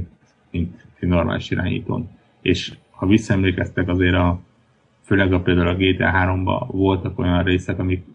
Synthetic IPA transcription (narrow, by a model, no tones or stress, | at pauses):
mint̪normʔa̰ːliʃiɾa̰ːɲḭːt̪o̰ːn | eːʃ | hɒvisːɒɛmleːkɛst̪ɛkɒzeːɾɒ | føːlɛɡɒpeːld̪aːulɒɡeːt̪ɛ̰ːɦaːɾo̞mbɒ̰vo̞lt̪ɒko̞̰jɒnreːsɛkɒmik